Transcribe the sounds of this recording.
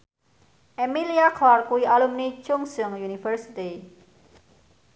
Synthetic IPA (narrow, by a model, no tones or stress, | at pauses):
emiliakʰlalkuiʔalumnit͡ʃʊŋsɨŋjunifəɾsit̪i